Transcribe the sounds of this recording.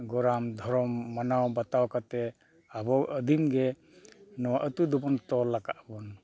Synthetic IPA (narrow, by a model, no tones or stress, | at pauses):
ɡɔɾamd̪ʱɔɾɔmːanawbat̪awkat̪ɛ | abɔʔəd̪ʱimɡɛ | nɔwaʔət̪ud̪ɔbɔnt̪ɔlakaʔbɔn